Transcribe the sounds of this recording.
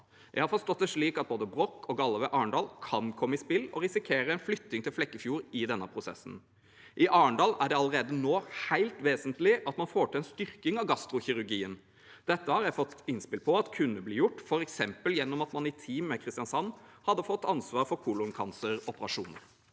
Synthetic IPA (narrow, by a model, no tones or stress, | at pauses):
jʔæɪhɑɾfɔst̪ɔt̪̚ːd̪ɛʂɭiːkɑt̪̚boːd̪əbɾɔkːɔɡɑlːəʋɛʔɑːɳɖɑːlkʰɑnkʰɔmːəɪspɪlːɔ̰ɾɪsɪkʰeːɾəɛnflʏt̪ːɪŋt̪ʰɪlflɛkːəfjuːɾɪd̪ɛnːəpʰɾʊsɛ̰sːn̩ | ʔɪʔɑːɳɖɑːlæɖɛɑləɾeːd̪ənoːhæɪlt̪ʋeːsənt̪lɪʔɑt̪mɑnfoːʈʰɪlɛnst̪ʏɾkɪŋɑʋɡɑst̪ɾʊçɪɾʉɾɡiːən | d̪̥ɛt̪ːəhɑɾjæɪfɔt̪ːɪnspɪlpʰɔɑt̪kʰʉnːəbliːjʊʈːfɔɾɛksɛmpəljɛnːɔmɑt̪mɑnɪt̪ʰiːmːɛkʰɾɪst̪jɑnsɑnːhɑd̪ːəfɔt̪ːɑnsʋɑːɾfɔɾkʰuːlʊŋkʰɑnsəɾɔpəɾɑʂṵːnəɾ